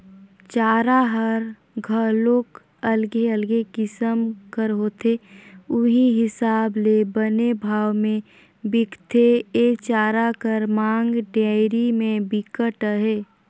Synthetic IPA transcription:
t͡ʃaːɾaɦəɾ | ɡʱəloːk | əlɡeəlɡekɪsəmkəɾɦoːt̪ʰeʊɦiɦɪsaːblebənebʱaːwmẽ | bɪkʰt̪ʰeeːt͡ʃaːɾakəɾmãːŋɡɖaːɪɾimẽbɪkəʈəɦeː

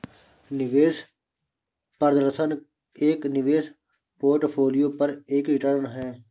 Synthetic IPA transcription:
nɪʋeːs | pəɾd̪ɾəsən | eːknɪʋeːs | poːɾʈpʰoːlijopɐɾeːkɪʈəɾnɦɛ̃ː

